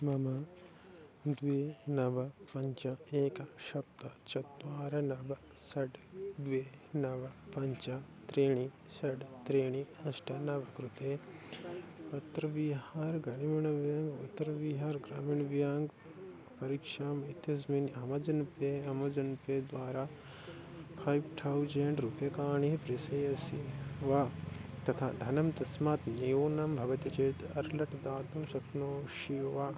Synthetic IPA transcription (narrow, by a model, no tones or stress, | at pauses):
mɐmɐ | d̪ʋeːnɐbɐpɐɲt͡ʃɐeːkɐʃɐp̚t̪ɐt͡ʃɐt̪̚ːʋaːɾɐnɐbɐ | sɐɖd̪ʋeːnɐʋɐpɐɲt͡ʃɐt̪ɾeːɳi | sɐɖt̪ɾeːɳ̃iɐsʈʰɐnɐbɐkɾut̪eː | pɐt̪ːɾɐʋiɦaːɾɡɐnimɐɳɐʋjaːŋɡɐt̪ːɐɾɐʋiːɦaːɾɡɾa̰ːmiɳʋjaːŋɡ | pɐɾikʂaːmit̪jɐs̬minɐmɐd͡ʒɐnpeːɐmɐd͡ʒɐnpeːd̪ʋaːɾaː | pʰaːjʋʈʰɐwd͡ʒeɳʈɾupjɐkaːɳiɦpɾisɐjɐsiʋɐt̪ɐt̪ʰa̰ːd̪ʱɐnɐmt̪ɐsmaːt̪nijoːnɐmbʱɐʋɐt̪ɐt͡ʃeːt̪ɐɾlɐʈɐd̪aːt̪umʃɐknoːʃiʋaː